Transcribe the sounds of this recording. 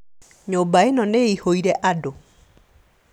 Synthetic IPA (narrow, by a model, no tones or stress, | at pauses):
ɲobaenɔneihoiɾɛʔado